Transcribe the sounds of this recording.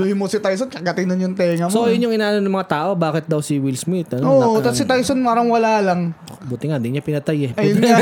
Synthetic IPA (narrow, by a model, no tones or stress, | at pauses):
luhɪmosɪt̪ajsonkɐɡɐt̪ɪŋd̪ʊnjʊŋt̪ɛːŋɐmsoɐjʊnjʊŋɪnaːʔɐnonɐmɐŋat̪aːʔo̞baːkɪt̪̚d̪ɐwsiwɪlsmɪt̪̚ɐnooʔoɐt̪sɪt̪ajsonmaːɾɐŋwɐlaːlɐŋbuːt̪ɪŋad̪ɪɲapɪnɐt̪ajɛpɐjn